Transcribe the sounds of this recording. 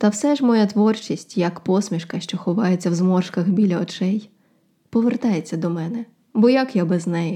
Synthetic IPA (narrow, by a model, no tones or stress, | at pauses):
t̪ɐwsɛʒmɔjat̪ʋɔrt͡ʃisʲtʲjɐkpɔsmʲiʃkɐʃt͡ʃɔxɔʋɑjet͡sʲːɐwzmɔrʃkɐxbʲilʲɐɔt͡ʃɛj | pɔʋert̪ɑjet͡sʲːɐd̪ɔmɛnɛ | bɔjɐkjabɛznɛjɛ